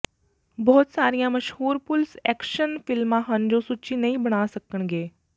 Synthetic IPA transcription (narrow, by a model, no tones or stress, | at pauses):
bɔːt̪saːɾijãːməʃhuːɾpʊlsɛ̰ːkʃənpʰɪlmãːɦənd͡ʒoːsʊt͡ʃiːnəĩːbəɽ̃aːsəkəɳɡeː